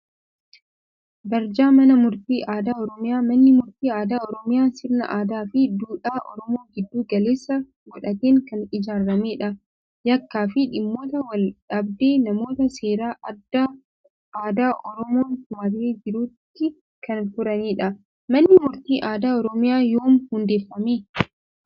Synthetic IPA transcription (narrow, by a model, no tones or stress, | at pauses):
bɐɾd͡ʒaːmɐnɐmʊɾt̪iːʔaːd̪aːɔɾɔmɪjaːmɐnːɪmʊɾt̪iːaːd̪aːɔɾɔmɪjaːsɪɾnɐ̰ʔaːd̪aːfɪd̪uːᶑaːʔɔ̰ɾɔmo̞ːɡɪd̪ːuːɡɐleːsːɐ | ɡɔᶑɐt̪eːŋkɐnɪd͡ʒaːɾːɐmeːᶑɐ | jɐkːaːfɪᶑɪmːo̞ːt̪ɐwɐlᶑɐbd̪eːnɐmo̞ːt̪ɐse̞ːɾaːʔɐd̪ːaː | ʔaːd̪aːʔɔɾɔmoːŋkʊmɐreːd͡ʒɪɾuːt̪ːɪ | kɐnfʊɾɐneːᶑɐ | mɐnːɪmʊɾt̪iːʔaːd̪aːɔɾɔmɪjaːjoːmhʊnd̪e̞ːfːɐmeː